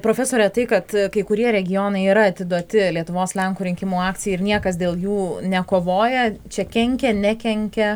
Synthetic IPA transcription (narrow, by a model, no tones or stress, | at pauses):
pɾoːfʲɛsoːɾʲɛt̪ɐɪkɐt̪kɐɪkʊɾʲiɛɾʲɛɡʲɪjoːnɐɪiɾɐɐt̪ʲɪd̪uɔt̪ʲɪlʲiɛt̪ʊʋoːslʲɛŋkuːɾʲɪŋʲkʲɪmuːɑːktt͡sʲɪjɛɪɾnʲiɛkɐs̬d̪ʲeːlˠjuːnʲɛkoːʋoːjɛt͡ʃʲɛkʲɛŋʲkʲɛnʲɛkʲɛŋʲkʲɛ